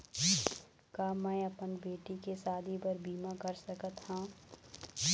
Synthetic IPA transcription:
kaːmɛ̃ːɐpənbeːʈikesaːd̪ʱibəɾbiːmãkɐɾsɐkət̪hãː

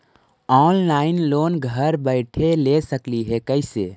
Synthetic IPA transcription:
ɔːnlaːɪnloːnɡʱəɾbəɪʈʰelesəkliɦɛkəɪseː

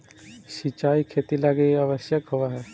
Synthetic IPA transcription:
sit͡ʃaːikʰet̪ilaɡeaʋəsjəkɦoʋaɦɛː

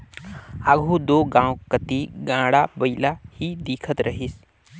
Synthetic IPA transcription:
aɡʱũːd̪oːɡãwkət̪iɡãɽabəilahiːd̪iːkʰət̪ɾəɦiːs

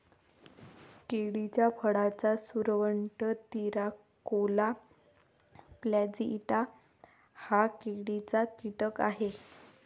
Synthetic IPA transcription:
keɽit͡ɕjapʰəɽat͡sasuɾʋəɳʈət̪iɾa | kola | plad͡ziːt̪a | hakeɽit͡sakiʈəkaɦe

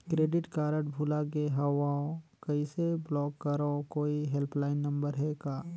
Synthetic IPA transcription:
kɾeːɖɪʈkaːɾəʈbʱulaɡeɦɐʋaõkɐiseblɔːkːɐɾokoːiɦelpʰlaːɪnːɐ̃mbəɾɦɛɡaː

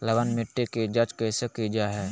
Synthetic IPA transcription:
ləbənmɪʈːikid͡ʒɐt͡ʃkesekid͡ʒaɦɛː

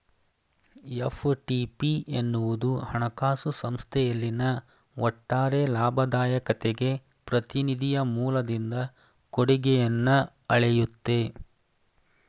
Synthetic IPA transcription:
jefʈipienːuʋud̪uhɐɳɐkaːsusɐmst̪ʰɛjɐlːinɐ | ɔʈːaːɾe̞laːbʱɐd̪aːjɐkɐt̪eɡe̞ | pɾɐt̪inid̪ʱijɐmuːlɐd̪ind̪ɐ | koɽiɡɛjɐnːɐ | ɐɭɛjut̪ːe̞

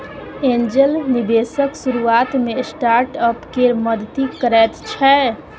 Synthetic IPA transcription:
ẽnd͡ʒəlnibesəksuɾuat̪mesʈaɾʈəpkeɾməd̪t̪ikəɾɛt̪t͡ʃʰɛ

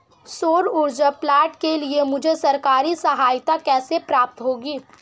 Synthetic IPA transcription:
soːɾʊɾd͡ʒaplaːʈkeliemʊd͡ʒʱesɐɾkaːɾisɐɦaːjt̪akɛːsepɾaːp̚t̪ɦoːɡiː

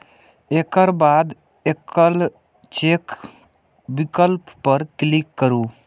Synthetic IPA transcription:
ekəɾbaːd̪ | ekəl | t͡ʃek | bikəlpːəɾklikːəɾuː

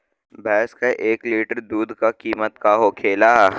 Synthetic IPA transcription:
bɛːskeʔeːkliːʈəɾd̪uːd̪ʱkakiːmət̪kaːɦokʰeːlaː

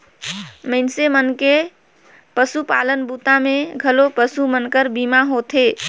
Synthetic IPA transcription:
məɪnsemənke | pəsupalənbut̪ameɡʱəlopəsumənkəɾbimaɦot̪ʰe

